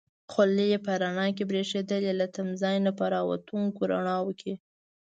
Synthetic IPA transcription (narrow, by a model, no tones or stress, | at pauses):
xʊlejepəɾaɳɑk̬ebɾeʂed̪əlelat̪amzɑjnapəɾɑwa̰t̪uŋkoɾa̰ɳɑwəkʰi